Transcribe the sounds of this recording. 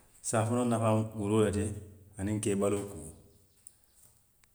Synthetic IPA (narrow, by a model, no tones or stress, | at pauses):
saːfɔnɔnafãwuɾojatɛanĩŋ̩kɛːbaloku